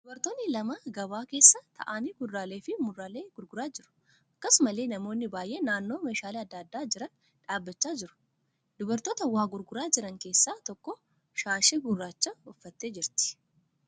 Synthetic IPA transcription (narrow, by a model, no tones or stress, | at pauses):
d̪̥ʊbɐɾt̪o̞ːnːɪlɐmɐɡɐβaːke̞ːsːɐt̪ʰɐ̰ʔaːniːɡʊrːaːleːfɪmʊrːaːle̞ːɡʊɾɡʊɾaːd͡ʒɪɾʊ̥ | ʔɐkːɐsʊmɐleːnɐmo̞ːnːɪbaːjʔeːnaːnːo̞ːmeːʃaːleːɐd̪ːad̪ːaːd͡ʒɪɾɐn | ᶑaːbːɐt͡ʃːaːd͡ʒɪɾʊ̥ | d̪ʊbɐɾt̪o̞ːt̪ɐwaːɡʊɾɡʊɾaːd͡ʒɪɾɐŋke̞ːsːaːt̪ɔkːɔ | ʃaːʃɛɡʊrːaːt͡ʃːɐɔfːɐt̪ːe̞ːd͡ʒɪɾt̪ɪ̥